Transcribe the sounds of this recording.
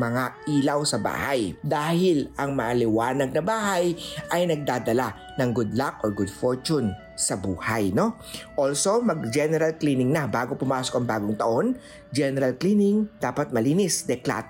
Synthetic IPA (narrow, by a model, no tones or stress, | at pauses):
mɐŋaʔiːlɐwsɐba̰ːhajd̪aːhɪlɐŋmɐʔɐlɪwaːnɐɡ̚nɐbaːɦajʔɐjnɐɡ̚d̪aːd̪ɐla | nɐŋɡʊd̪lak̚ʔɔɹɡʊd̪foɹt͡ʃʊn | sɐbuːhajno̞ | ʔolso̞mɐɡ̚d͡ʒɛnɛɾɐlklinɪŋnɐbaːɡopʊmaːsokɐŋbaːɡoŋt̪ɐʔo̞n | d͡ʒɛnɛɾɐlklinɪŋd̪aːpɐt̪̚mɐliːnɪsd̪ɛkla̰ːt̪